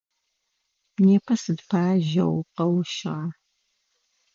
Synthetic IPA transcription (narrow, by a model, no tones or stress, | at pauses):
neːpʰɐsɨdpʰaːʒɐ̰wqɐwʃɪʁɐ